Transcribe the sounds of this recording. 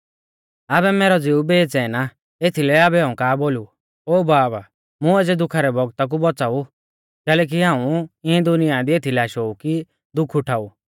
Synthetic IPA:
abɛmɛːɾɔd͡zeubeːt͡sɛːna | et̪ʰilɛabɛɦãːũkaːboːlu | oːbaːba | mũed͡zɛd̪ʊkʰaɾɛbɔɡt̪ak̬ubɔt͡saːu | kɛːlɛːk̬iɦãːũɪɛ̃d̪ʊnɪjad̪iet̪ʰilɛaʃoːuki | d̪ʊkʰːʊʈʰaːu

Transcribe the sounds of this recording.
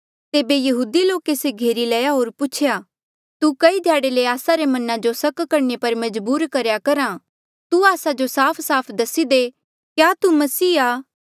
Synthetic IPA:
t̪eːbejɐɦuːd̪iloːkeseɡʱeːɾilɐjaɦoːɾpʊt͡ʃʰejaː | t̪ukɐid̪ʱjaːɽeleaːsaɾemɐnãd͡ʒosɐkkɐɾnepɐɾmɐd͡ʒbuːɾkɐɾjakɐɾã | t̪uaːsad͡ʒosaːpʰsaːpʰd̪ɐsid̪e | kjaːt̪umɐsiːaː

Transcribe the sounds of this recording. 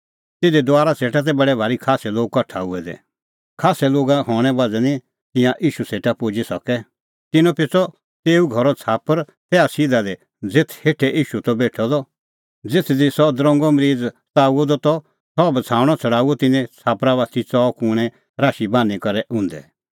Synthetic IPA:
t̪ɪd̪id̪ʊaːɾaseːʈat̪̬ɛbɐɽɛbʱaːɾikʰaːsɛloːɡ̚kɐʈʰauɛd̪ɛ̰ | kʰaːsɛloːɡaɦɔːɽ̃ɛ̃bad͡zɛnĩ | t̪ɪ̃jãʔiːʃuseːʈapoːd͡ʒisɔkɛ | t̪ɪnɔ̃pɪt͡sɔ | t̪eːuɡʱɔɾɔt͡sʰaːpəɾ | t̪ɛːasid̪ad̪ɛ | d͡zɪt̪ʰheːʈʰɛʔiːʃut̪ɔbeːʈʰɔd̪ɔ | d͡zɪt̪ʰd̪isɔd̪ɾɔ̃ŋɡɔmɾiːd͡z | t͡saːuɔd̪ɔt̪ɔ | sɔbt͡sʰãːɽ̃ɔt͡sʰɐɽaːuɔt̪ɪnɛ̃t͡sʰaːpɾaʋaːt̪it͡sɔːkʊːɽ̃ɛ̃ | ɾaːʃibãːnikɐɾɛʔʊ̃ːnd̪ɛ̰

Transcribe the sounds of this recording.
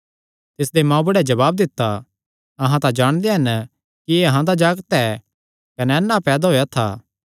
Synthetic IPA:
t̪ɪsd̪emãːũbɐɽɛd͡ʒɐβaːb̚d̪ɪt̪ːa | ɐɦãt̪ãd͡ʒaːɽ̃d̪eɦɐn | kieɐɦãd̪ad͡ʒaːɡət̪ɛː | kɐnɛɛnːapɛːd̪aɦoːjat̪ʰa̰ː

